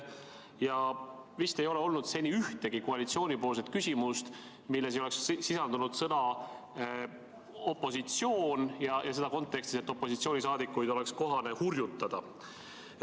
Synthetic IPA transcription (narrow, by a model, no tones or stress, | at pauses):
jɑvist̪e̞jo̞leo̞lnud̪̥se̞nʲiyht̪e̞ɡ̥ikoɑlit̪sio̞ːnʲipo̞ːlse̞t̪kysʲimust̪ | milːe̞s̬eo̞le̞kssisɑld̪unud̪̥sɤnɑ | o̞pːˑo̞sit̪sio̞ːnjɑjʔɑse̞d̪ɑko̞nt̪ːˑe̞kst̪ise̞t̪ːˑo̞pːo̞sit̪sio̞ːnisɑːd̪ikːˑujd̪̥o̞le̞ksko̞ɦɑne̞hurjut̪ːɑd̪̥ɑ